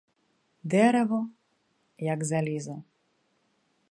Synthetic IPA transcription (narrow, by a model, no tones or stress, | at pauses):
d̪ɛɾɛvɔ | jaɡzalʲizɔ